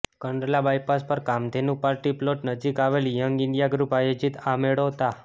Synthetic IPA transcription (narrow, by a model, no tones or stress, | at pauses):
kəɳɾelabajpaspəɾkamd̪ʱenũpaɾʈiploʈnəd͡ʒikaʋeljəŋɡɪɳɖijaɡɾupajod͡ʒit̪ameɽot̪a